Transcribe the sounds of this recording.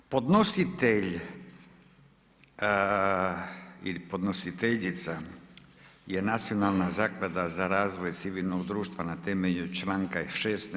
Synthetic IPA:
po̞d̪nosit̪eʎ | ḭlipo̞d̪no̞sit̪eʎit̪sa | jenat̪sio̞nalˠnazaːklad̪azaɾaːzʋo̞jt̪siʋilnoɡd̪ɾuːʃt̪ʋanat̪emeʎut͡ʃlaŋkaiʃest̪n

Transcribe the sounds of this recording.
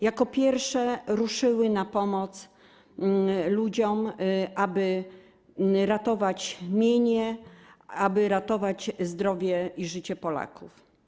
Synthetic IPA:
jakɔpʲjɛɾfʂɛɾuʂɘwɘnapɔmɔt̪s | lud͡ʑɔmʔabɘ | ɾat̪ɔvat͡ɕmʲjeɲɛ | abɘɾat̪ɔvat͡ɕzd̪ɾɔvʲjɛiʐɘt͡ɕɛpɔla̰kʰuf

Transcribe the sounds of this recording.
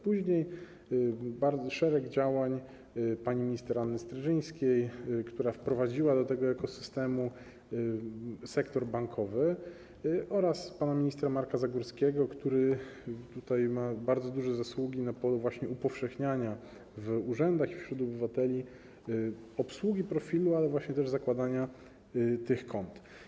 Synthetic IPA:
puʑɲej | baɾd̪zɔʂɛɾɛɡd͡ʑawaɲ | paɲimʲiɲist̪ɛɾanːɘst̪ɾaʐɘj̃skʲejkt̪uɾafpɾɔvad͡ʑiwad̪ɔt̪ɛɡɔɛkɔsɘ̥st̪ɛmu | sɛkt̪ɔɾbaŋkʰɔvɘ | ʔɔɾaspanamʲiɲist̪ɾamaɾkazaɡuɾskʲɛɡɔkt̪uɾɘt̪ut̪ajmabaɾd̪zɔd̪uʐɛzaswuɡʲinapɔluvwaɕɲɛupɔfʂɛxɲaɲa | vuʐɛnd̪axifɕɾud̪ɔbɘvat̪ɛlʲi | ɔpswuɡʲipɾɔfʲilualɛvwaɕɲɛt̪ɛʐzakwad̪aɲa | t̪ɘxkɔnt̪

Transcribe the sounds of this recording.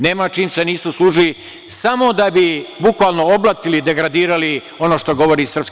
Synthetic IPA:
neːmat͡ʃiːmse̞niːsuslˠuːʒili | samo̞d̪abibukʋaːlˠno̞oblˠat̪ilid̪e̞ɡɾad̪iːɾali | o̞noːʃt̪o̞ɡo̞ʋoɾiːsrpsk

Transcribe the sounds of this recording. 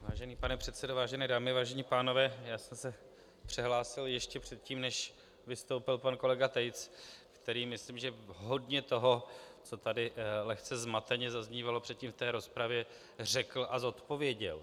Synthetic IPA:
vaːʒɛniːpanɛpr̝̥ɛt̪sɛdovaːʒɛnɛːdaːmɪvaːʒɛɲiːpaːno̞vɛːjaːsɛmsɛ | pr̝̥ɪɦlaːsɪljɛʃcɛpr̥ɛt̪̚ciːmnɛʃ | vɪst̪owpɪlpanko̞lɛɡat̪ɛjt͡skt̪ɛɾiːmɪsliːmʒɛɦo̞dɲɛt̪o̞ɦo̞t͡so̞t̪adɪlɛxt͡sɛzmat̪ɛɲɛzazɲiːvalo̞pr̥ɛt̪cimft̪ɛːɾo̞spɾavjɛ | r̝ɛkl̩ʔazo̞t̪po̞vjɛɟɛ̰l

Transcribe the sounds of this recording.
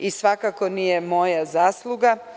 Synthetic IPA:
isʋakakonijemo̞jazaːslˠuɡa

